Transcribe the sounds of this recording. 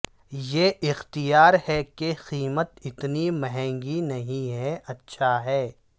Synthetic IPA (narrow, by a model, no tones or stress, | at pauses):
jeʔɪxt̪ijaːɾhɛkexiːmət̪ɪt̪nimɐɦɛ̃ːŋɡinɐɦĩɦɛʔɐtːʃʰaɦɛː